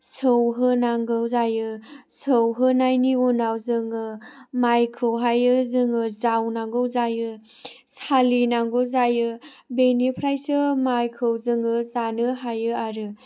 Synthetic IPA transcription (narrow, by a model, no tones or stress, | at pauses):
sɯwɦɯnaŋɡɯwzajɯ | sɯwɦɯnajniunawzɯŋɯ | majkʰɯwɦajɯzɯŋɯzawnaŋɡɯwzajɯ | salinaŋɡɯwzajɯ | benipʰɾajsɯmajkʰɯwzɯŋɯzanɯɦajɯaɾɯ